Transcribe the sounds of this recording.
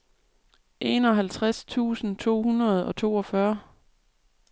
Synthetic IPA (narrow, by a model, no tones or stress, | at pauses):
ʔe̝̰nɒ̽ɦælt͡sʰʁast͡sʰṵːsn̩t͡sʰo̝̰ːhunɐð̞̩ˠɒ̽t͡sʰo̝̰ːɒ̽fɶɐ